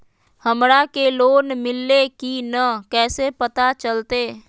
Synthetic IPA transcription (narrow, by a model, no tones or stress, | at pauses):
həmɾakeloːnmɪlːekinəkɛːsepət̪at͡ʃəlt̪eː